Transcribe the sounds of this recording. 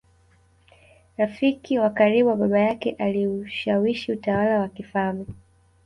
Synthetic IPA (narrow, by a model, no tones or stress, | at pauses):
ɾafikiwakaɾiɓuwaɓaɓajakɛʔaliuʃawiʃiutawalawakifamɛ